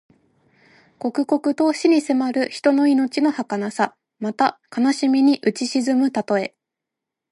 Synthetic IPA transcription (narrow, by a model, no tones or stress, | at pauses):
ko̞kɯ̟ko̞kɯ̟t̪o̞ɕiɲ̟ise̞maɾɯ̟çi̥t̪o̞no̞ino̞t͡ɕino̞hakanasa | mat̪akanaɕimʲiɲ̟iʔɯ̟t͡ɕiɕizɨmɯ̟t̪at̪o̞e̞